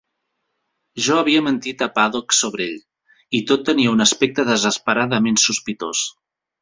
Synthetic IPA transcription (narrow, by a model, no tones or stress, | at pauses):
ʒɔəβ̞iəmənt̪it̪əpaðoksoβɾeʎ | it̪ot̪ːəniəunəspɛk̚t̪əðəzəspəɾaðəmensuspit̪os